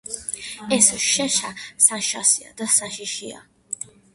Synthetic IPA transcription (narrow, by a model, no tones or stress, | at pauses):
ɛsoʃɛʃasaʃa̰sia̰d̪asaʃiʃija̰